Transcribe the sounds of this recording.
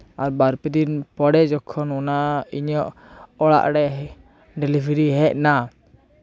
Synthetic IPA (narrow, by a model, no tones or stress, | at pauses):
aɾbaɾpɛd̪inpɔɽɛd͡ʒɔkʰːɔnɔnaiɲɔʔ | ɔɭa̰ʔɽɛ | ɖɛlibʱɾiɦɛc̚na